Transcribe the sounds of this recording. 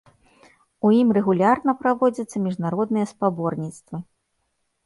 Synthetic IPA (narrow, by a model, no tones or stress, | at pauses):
ujimrɛɣulʲarnɐpɾavɔd͡zʲɐt̪sːɐmʲiʐnaɾɔd̪nɨjɐspabɔrnʲit̪st̪vɨ